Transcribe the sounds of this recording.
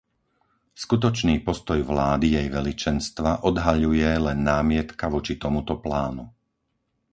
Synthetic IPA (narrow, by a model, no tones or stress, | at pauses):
skut̪̬ɔt͡ʃniːpɔst̪ɔjʋlaːd̪ijɛjʋɛlit͡ʃɛnst̪ʋaʔɔd̪ɦaʎujɛlɛnːaːmɪɛt̪kaʋɔt͡ʃit̪ɔmut̪ɔplaːnu